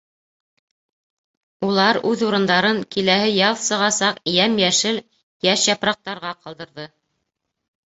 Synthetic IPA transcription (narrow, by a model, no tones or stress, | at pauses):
ulˠɑɾʉðuɾɤ̆nd̪ɑɾɤŋkilæhɘjɑlˠsɤ̆ʁɑsɑqjæmjæʃɘl | jæʃjɑpɾɑq̚t̪ɑɾʁɑqɑlˠd̪ɤ̆ɾðɤ